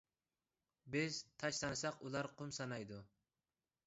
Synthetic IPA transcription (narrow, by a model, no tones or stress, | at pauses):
bɪzt̪ʰɑʃt̪ɑnɨsɑqulˠɑɾqʰʊmsɑnɑjd̪u